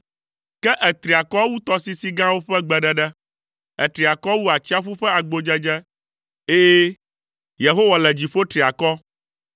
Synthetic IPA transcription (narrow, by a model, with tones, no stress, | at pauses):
kɛ˦ʔɛ˨t̪ɾi˨a˨kɔ˦wu˦t̪ɔ˦si˦si˦ɡã˦wo˦ɸɛ˦ɡ͡bɛ˨ɖɛ˨ɖɛ˦ | ɛ̰˨t̪ɾi˨a˨kɔ˦wu˦a˨t͡ɕi˦a˦ɸu˦ɸɛ˦a˨ɡ͡bo˨d͡ʒɛ˦d͡ʒɛ˦ | e˦ | je˨ɦo˦wɔ˨lɛ˨d͡ʑi˨ɸo˦t̪ɾi˨a˨kɔ˦